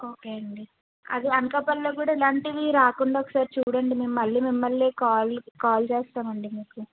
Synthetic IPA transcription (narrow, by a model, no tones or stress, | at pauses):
oːkeːɐɳɖi | ɐ̰d̪iɐŋkɐpɐlːoːk̬uːɽaːilaːɳʈiʋiɾaːkuɳɖaɔkːɐ̥saːɾit͡ʃuːɽɐɳɖimeːmmɐlːiːmimːɐlːeːkaːlkaːlt͡ʃeːst̪aːmɐɳɖimiːku